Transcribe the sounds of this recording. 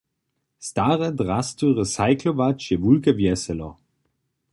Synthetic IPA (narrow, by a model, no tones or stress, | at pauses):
staʁɛdʁast̪uʁɛsaɪklɔvat͡ʃjɛvulkɛvjɛsɛlɔ̰